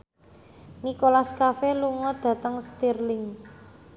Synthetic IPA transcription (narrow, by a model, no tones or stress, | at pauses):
nikolaskafeluŋɔd̪̥ä̤t̪əŋst̪irlɪŋ